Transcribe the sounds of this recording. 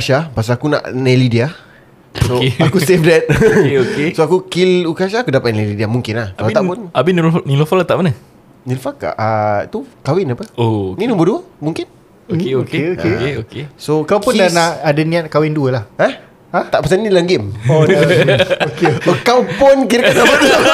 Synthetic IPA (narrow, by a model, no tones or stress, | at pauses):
aʃapas̬aːkuna̰ʔnɛlidia | soakusefdɛt̪̚okesoakukilukaʃ̬aakudapat̪̚nɛlidiamuŋkɪnlahkalat̪aʔpʊnabinilnilofɔlat̪aʔmanə | nilfaka̰ʔat̪ukawɪnapəoninɔ̃mbərduəmuŋkɪn | okeokeokesokawkpʊndanaadaniat̪̚kawɪnduəlahah | at̪aʔpəsannilaŋɡɪmo | okeokawpɔnkiɾkanapat̪